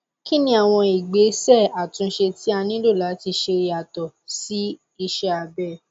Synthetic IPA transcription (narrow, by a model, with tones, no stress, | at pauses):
ki˦nĩ˦a˨w̃ɔ̃˧i˨ɡ͡be˨˦sɛ˦˨a˨tũ˧˦ʃe˧ti˦a˧nĩ˦lo˦˨la˨˦ti˧ʃe˧˦a˨tɔ˨si˦ | i˧ʃɛ˦a˧bɛ˦˨